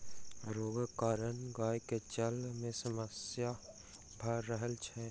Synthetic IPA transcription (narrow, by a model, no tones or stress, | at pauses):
ɾoːɡkaːɾənɡaːjket͡ʃəlmẽsəməsja | bʱəɾːəɦəlt͡ʃʰɛː